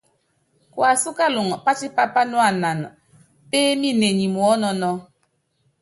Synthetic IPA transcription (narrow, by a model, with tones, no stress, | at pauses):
kwa˨su˦ka˦lu˨ŋ˨pa˦t͡ʃi˦pa˦pa˦nu˦a˨na˨n˨ | peː˦mi˦ne˨ɲi˨mwɔ˦nɔ˦nɔ˦